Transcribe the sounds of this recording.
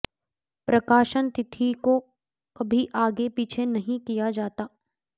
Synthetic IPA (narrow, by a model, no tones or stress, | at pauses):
pɾɐkaːʃənt̪ɪt̪ʰiko | kɐbʱiʔaːɡepiːt͡ʃʰenɐɦĩkijad͡ʒaːt̪aː